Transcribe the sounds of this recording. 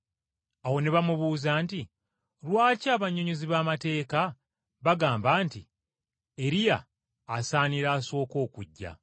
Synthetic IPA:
awo̞neβamuβuːzaːnti | lwaːcaːβaɲːoɲoziβaːmate̞ːka | βaɡaːmbaːnti | e̞ɾija̰ː | saːniɾaːso̞ːko̞ːkuɟːa̰

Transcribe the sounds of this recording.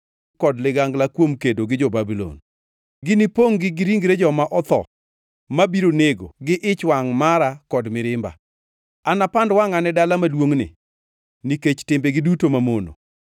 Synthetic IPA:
kɔdlɪɡaŋɡlakwomkedoɡɪd͡ʒobabilɔ̰n | ɡɪnɪpoŋɡɪɡɪɾiŋɡɾed͡ʒɔmaʔɔt̪ɔ̰ | mabiɾoneɡo̰ɡɪʔɪt͡ʃwaŋmaɾakɔdmɪɾɪmba̰ | anapandwaŋanɛdalamalwoŋnɪ̰ | niket͡ʃtɪmbeɡɪdutomamono̰

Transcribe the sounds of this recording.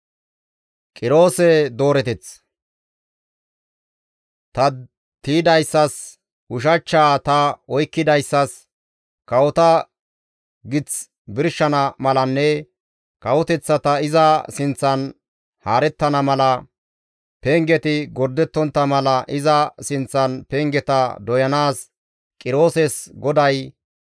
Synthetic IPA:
kʼɪɾo̞ːsɛd̪o̞ːɾɛt̪ɛt͡s | t̪ɐ | t̪iːd̪ɐjsːɐs | ʊʃ̬ɐt͡ʃːaːt̪ɐɔjkːɪd̪ɐjsːɐs | kɐwɔt̪ɐ | ɡɪt͡s | bɪɾʃːɐnɐmɐlɐnːɛ | kɐwɔt̪ɛt͡sːɐt̪ɐɪzɐsɪnt͡sːɐn | haːɾɛt̪ːɐnɐmɐlɐ | peŋɡɛt̪ɪɡɔɾd̪ɛt̪ːɔnt̪ːɐmɐlɐʔɪzɐsɪnt͡sːɐnpɛŋɡɛt̪ɐd̪ɔjɐnaːs | kʼɪɾo̞ːsɛsɡɔd̪ɐj

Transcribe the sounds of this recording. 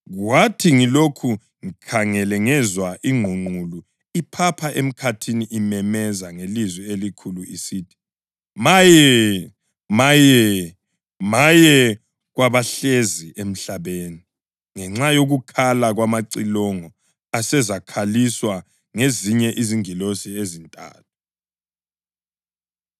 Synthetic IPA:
ɣwatʰiŋilokʰu | ŋikʰaŋɛlɛŋɛzwaʔiŋʱuŋ͡ǃulu | ipʰapʰaʔem̩kʰatʰiniʔimɛmɛzaŋelizwɛelikʰuluisiːtʰi̥ | majɛ | majɛ | majɛ | ɣwaβaɬeziem̩ɬaβeːni | ŋɛŋ͡ǁajoɣukʰalaɣwamaǀilɔŋɔ | asɛzakʰaliswa | ŋeziɲɛʔiziŋilosiezintʼa̰ːt̚ʰu̥

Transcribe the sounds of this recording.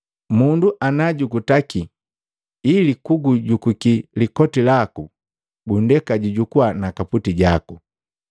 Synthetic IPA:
munduʔanaɟuɡutaki | ilikuɡuɟukukilikɔtilaku | ɡundɛkaɟuɟukuwanakaputiɟaku

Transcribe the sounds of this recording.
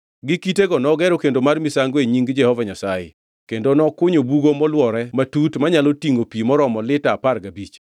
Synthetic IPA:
ɡɪkiteɡɔnɔɡɛɾokendomarmisaŋɡweɲiŋɡd͡ʒɛhɔvaɲasajḛ | kendonɔkʊɲobuɡomɔlwɔɾɛmatutmaɲalotiŋopimɔɾɔmɔlɪtaːparɡabit͡ʃ

